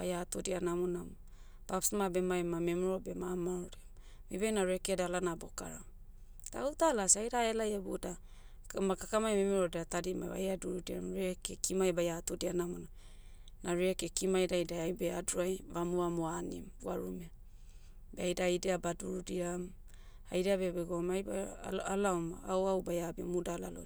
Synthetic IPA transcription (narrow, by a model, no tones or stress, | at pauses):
bajatodianamonam | b̥apsmabe̞majmamemuɾobe̞mamaɾodiam | mibajnaɾekedalanaboka̰ɾa̰ | d̥a̰utalasajɾaelajabuda | makakamajmemeɾodeatadima̰jβa̰jaduɾudiamɾekekimajbajatodianamona | naɾekekimajdajdajajbeaduajβamuamoanḭmbuaɾume | beajdajdeabaduɾudiam | ajdeabebeɡomajbaalaomaawawbajabimudalalo̰